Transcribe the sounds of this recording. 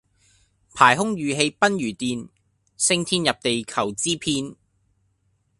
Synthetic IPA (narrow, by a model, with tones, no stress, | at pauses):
pʰaː˨˩jɦʊ˥ŋjyː˨ɦe˧jpɐ˥njyː˨˩t̪iː˨˧n | sɪ˥˧ŋt̪ʰiː˥njɐ˨p̚t̪e˨jkʰɐ˨˩wt͡siː˥pʰiː˧n